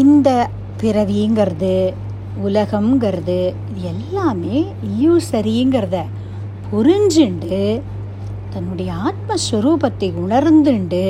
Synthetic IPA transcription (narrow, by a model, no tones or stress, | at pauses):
ɪnd̪ɐ | pɪɾɐʋiɯŋɡɪɾɐðɯ | ʊlɐɣɐmŋɡɐɾɐðɯ | ɪðɯɛlːaːmeː | ɪljuːsɐɾijɯŋɡɐɾɐðɐ | pʰʊɾɪɲd͡ʒɪɳɖɯ | t̪ɐnːʊɽɐjɐaːt̪̚mɐsʋɐɾuːpɐt̪ːɐɪʊɳɐɾnd̪ɯɳɖɯ